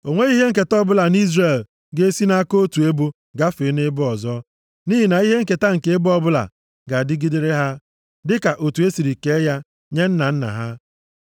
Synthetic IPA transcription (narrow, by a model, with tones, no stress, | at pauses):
o˨ŋʷe˦i˦ɦe˦ŋ̩˦ke˨tɔ˦bʊ˦la˨ni˦zre˨l | ɡe˦si˦na˦ko˦tu˨e˦bu˦ | ɡa˦fɪ˨˦nɪ˦bʊ˦ɔ˨zɔ˦ | ni˦ɦi˨na˨i˦ɦe˦ŋ̩˦ke˨ta˦ŋ̩˨ke˨˦e˦bʊ˦ɔ˦bʊ˦la̰˨ | ɡa˨dɪ˦ɡi˦dɪ˦ɾe˦ɦa˦ | dɪ˦ka˨ʔo˨tu˨e˦si˨ɾi˨ke˨˦ja˦ | ɲe˦n̩˦na˨n̩˦na̰˨ɦa˦